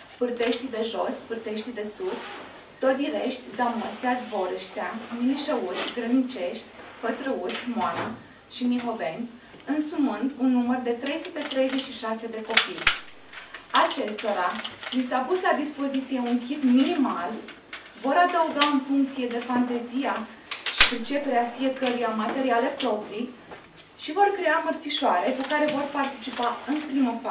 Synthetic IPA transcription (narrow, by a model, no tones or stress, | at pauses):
pɨrd̪e̞ʃt̪id̪e̞ʒo̞spɨrd̪e̞ʃt̪ʲid̪e̞sus | t̪o̞t̪̚d̪iɾe̞ʃt̪ʲzaməst̪eazvo̞ɾəʃt̪eaminiʃəut̪sʲɡɾənit͡ʃe̞ʃt̪ʲfət̪ɾəut̪sʲmoana | ʃiniɦo̞ve̞nʲ | ɨnsumɨnd̪unːumərd̪e̞t̪ɾe̞jsut̪e̞t̪ɾe̞jze̞t͡ʃʃiʃase̞d̪e̞ko̞pij | at͡ʃe̞st̪o̞ɾalisapuslad̪ispo̞zit̪sije̞unkʲipminimal | vo̞ɾad̪auɡaɨnfuŋkt̪sije̞d̪e̞fant̪ezija | ʃipɾit͡ʃe̞pe̞ɾeafie̞kəɾujamat̪e̞ɾiale̞pɾo̞pɾij | ʃivo̞rkɾe̞amərt̪siʃoaɾe̞kukaɾe̞vo̞rpart̪it͡ʃipaɨnpɾiməfa